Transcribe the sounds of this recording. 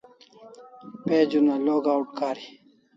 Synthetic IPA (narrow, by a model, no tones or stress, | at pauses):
peːd͡ʑunaloːɡaːwʈkaːɾi